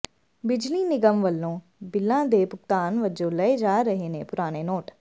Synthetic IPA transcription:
bɪd͡ʒliːnɪɡəmʋəlːõː | bɪlːãːd̪eːpʊkt̪aːnʋəd͡ʒõːlɛeːd͡ʒaːɾəɦeːneːpʊɾaːneːnɔːʈ

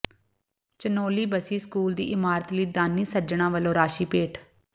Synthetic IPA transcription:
t͡ʃənoːliːbəsiːskuːld̪ḭːʔɪmaːɾət̪liːd̪aːnĩːsəd͡ʒɳãːʋəlõːɾaːʃiːpeːʈʰ

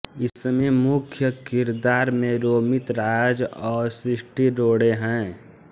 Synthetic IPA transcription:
ɪsmemʊkʰjəkɪɾd̪aːɾmẽɾoːmɪt̪ɾaːd͡ʒɔːɾsɾɪʃʈiɾoːɽeɦɛ̃ː

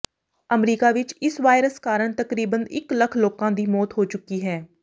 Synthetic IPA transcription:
əmɾiːkaːʋɪt͡ʃɪsʋaːɪɾəskaːɾəɳt̪əkɾiːbənɪ̰kləkʰloːkãːd̪iːmɔːt̪ɦoːt͡ʃʊkːiːɦɛː

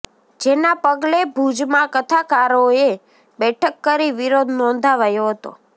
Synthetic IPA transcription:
d͡ʒenapəɡlebʱud͡ʒmãkət̪ʰakaɾoe | bɛʈʰəkːəɾiʋiɾod̪ʱnɔ̃nd̪ʱaʋajoɦət̪o̰

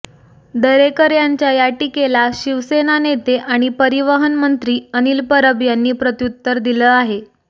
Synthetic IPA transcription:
d̪əɾekəɾjaɲt͡ɕjajaʈikelaɕiʋsenanet̪eʔaɽ̃ipəɾiʋəɦənmənt̪ɾiːəniːlpəɾəbjanːiːpɾət̪jut̪ːəɾd̪iləːaɦe

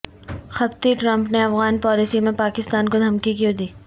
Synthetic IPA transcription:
xɐbt̪iʈɾɐ̃mpneɐfɣaːnpɔːliːsimẽpaːkɪst̪aːnkod̪ʱɐmkikijod̪iː

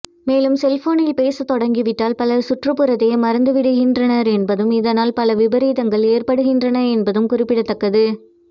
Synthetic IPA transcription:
meːlɯmsɛlfoːnɪlpeːsɐt̪ːɔɽɐŋɡiʋɪʈːaːlpɐlɐsʊʈrɯpːɯɾɐt̪ːɐjɐmɐɾɐnd̪ɯʋɪɽɯɣɪndrɐnɐɾɛnbɐðɯmɪðɐnaːlpɐlɐʋɪbɐɾiːðɐŋɡɐɭeːrpɐɽɯɣɪndrɐnɐɛnbɐðɯmkʊrɪpːɪɽɐt̪ːɐkːɐðɯ

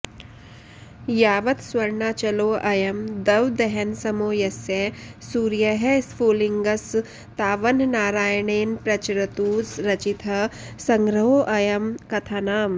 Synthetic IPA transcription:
jaːʋɐt̪swɐɾɳaːt͡ʃɐloːʔɐjɐmd̪ɐʋd̪ɛɦɛnsɐmoːjɐsesuːɾjɐɦɛsfoːliŋɡɐs | t̪aːʋɐnnaːɾaːjɳeːnpɾɐt͡ʃɾɐt̪uːsɾɐt͡ʃit̪ʰɐsɐ̃ŋɡɾɐɦoːʔɐjɐmkɐt̪ʰaːnaːm

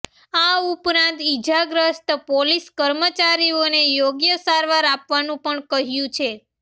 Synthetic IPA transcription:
aupɾãnt̪id͡ʒaɡɾəst̪poliskəɾmət͡ʃaɾionejoɡjəsaɾʋaɾapʋanũpəɳkəɦjũt͡ʃʰe

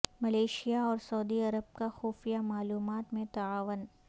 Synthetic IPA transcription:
mɐleːʃijaɔːɾsɐʊd̪iɐɾəb̚kaxuːfijamaːluːmaːt̪mẽt̪ɐaːʋən

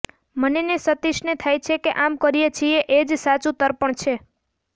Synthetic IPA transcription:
mənenesət̪iʃnet̪ʰajt͡ʃʰekeʔamkəɾijet͡ʃʰieʔed͡ʒsat͡ʃut̪əɾpəɳt͡ʃʰe

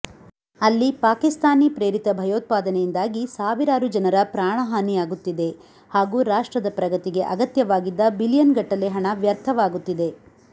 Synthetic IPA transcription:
ɐlːipaːkist̪aːniːpɾe̞ːɾit̪ɐbʱɐjoːt̪̚paːd̪ɐnejind̪aːɡisaːʋiɾaːɾud͡ʒɐnɐɾɐpɾaːɳ̃ɐɦaːnijaːɡut̪ːid̪e̞ | haːɡuːɾaːʂʈɾɐd̪ɐpɾɐɡɐt̪iɡe̞ʔɐɡɐt̪jɐʋaːɡid̪ːɐbilijɐnɡɐʈːɐleɦɐɳɐʋjɐɾt̪ʰɐʋaːɡut̪ːid̪e̞

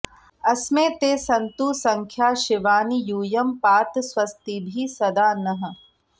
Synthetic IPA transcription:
ɐsmẽːt̪eːsɐnt̪uːsɐŋkʰjaːʃɪʋaːnijuːjɐmpaːt̪sʋɐst̪ibʱiːsɐd̪aːnɐɦə̆

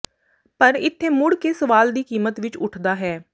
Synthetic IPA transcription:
pəɾɪt̪ʰːeːmʊɽkeːsəʋaːld̪iːkiːmət̪ʋɪt͡ʃʊʈʰd̪aːɦɛː

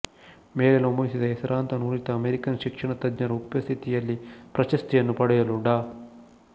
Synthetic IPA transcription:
meːɾelomɐʋisid̪ɐɦɛsɐɾaːnt̪ɐnuːɾit̪ɐɐmeɾikɐnʃikʂɐɳɐt̪ɐd̪ɲɐɾɐupjɐst̪ʰit̪ijɐlːipɾɐʃɐst̪ijɐnːupɐɽɐjɐluɽaː

